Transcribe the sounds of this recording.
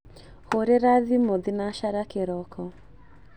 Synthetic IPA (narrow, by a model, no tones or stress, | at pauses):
hoɾeɾaðimoðinaʃaɾakeɾɔkɔ